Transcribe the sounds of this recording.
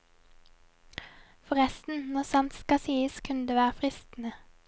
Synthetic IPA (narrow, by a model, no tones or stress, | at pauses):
fɔʁɛst̪n̩nɔʁsɑnt̪skɑsiːəskʰʉnəd̪eːʋæːʁəfʁɪst̪n̩ə